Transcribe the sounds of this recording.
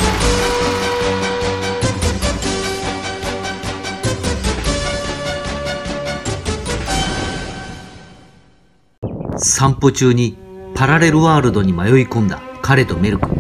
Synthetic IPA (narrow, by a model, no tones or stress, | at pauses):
sãmpo̞t͡ɕɨːɲ̟ipaɾaɾe̞ɾɯ̟βaːɾɯ̟d̪o̞ɲ̟imajo̞ikõ̞nd̪a̰kaɾe̞t̪o̞me̞ɾɯ̟kɯ̟̥